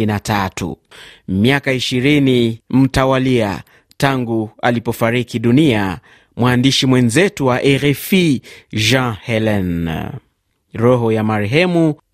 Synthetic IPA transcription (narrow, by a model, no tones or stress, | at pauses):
inatatṵmiakaiʃiɾinim̩tawalia̰ | taŋɡualipɔfaɾikiɗunia | mwaːndiʃimwɛnzɛtuwaʔɛɾɛfiʒãhɛlɛn | ɾɔɦɔjamaɾɛɦɛmu